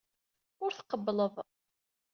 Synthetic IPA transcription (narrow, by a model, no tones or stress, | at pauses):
ʊɾθqəbːləðˤ